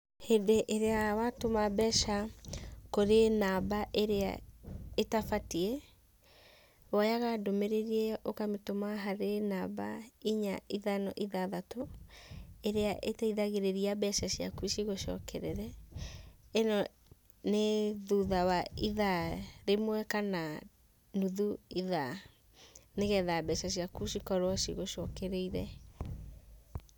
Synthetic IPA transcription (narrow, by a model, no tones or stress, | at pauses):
hedeʔeɾeawatomabɛʃa | koɾenabaʔeɾea̰etafatiɛ | wajaɣadomeɾeɾiɛokametomaɦaɾenabaiɲaiðanɔʔiðaðato | eɾeaʔetɛiðaɣeɾeɾiabɛʃaɕija̰kuiʃiɣoʃɔ̰kɛɾeɾɛ | enɔ | neðuðawaiðaɾemwɛkana | nuðuiða | neɣɛðabɛʃaɕiakuʃikɔɾwɔʃḭɣoʃɔkɛɾeiɾɛ